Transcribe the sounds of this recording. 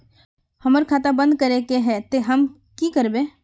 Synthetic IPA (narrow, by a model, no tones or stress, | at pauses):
hɐməɾkʰaːt̪abə̃nd̪̚kɐɾekeɦɛt̪eɦɐm | kikəɾbẽː